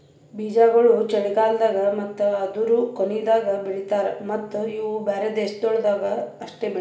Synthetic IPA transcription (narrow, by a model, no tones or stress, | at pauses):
biːd͡ʒaːɡɐɭut͡ʃɛɽiɡaːld̪aːɡɐmɐt̪ːɐɐd̪uɾukoned̪aːɡɐbiɽit̪aːɾemɐt̪ːuiːʋubaːɾed̪eːʃd̪ɔɭd̪aːɡɐːʂʈeːbi